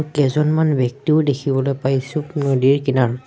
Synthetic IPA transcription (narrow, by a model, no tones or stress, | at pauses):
kɛzɔnmanbjɛk̚tiʊdekʰibɔlojpajsunodiɹkinaɹ